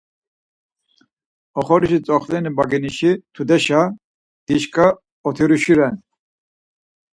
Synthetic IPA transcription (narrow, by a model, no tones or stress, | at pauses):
ɔχɔɾiʃit͡sʼɔχlɛnibaɡiniʃit̪ʰud̪ɛʃa | d̪̥iʃkʼa | ɔt̪ʰiɾuʃiɾɛn